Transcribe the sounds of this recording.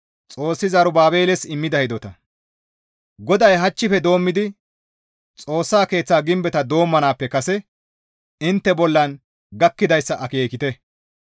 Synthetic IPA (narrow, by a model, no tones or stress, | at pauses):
t͡sʼo̞ːsːɪzɐɾʊbaːbe̞ːlɛsɪmːɪd̪ɐhɪd̪ɔt̪ɐ | ɡɔd̪ɐjɦɐt͡ʃːɪfɛd̪o̞ːmːɪd̪ɪ | t͡sʼo̞ːsːaːke̞ːt͡sːaːɡɪmbɛt̪ɐd̪o̞ːmːɐnaːpːɛkɐsɛ | ɪnt̪ːɛbɔlːɐn | ɡɐkːɪd̪ɐjsːɐʔɐke̞ːkɪt̪ɛ